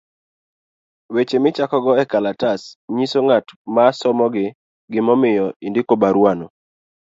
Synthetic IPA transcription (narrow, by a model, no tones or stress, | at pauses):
wet͡ʃemɪt͡ʃakɔɡɔɛkalatasɲisoŋatmasɔmɔɡɪ | ɡɪmɔmɪjɔindɪkobaɾwano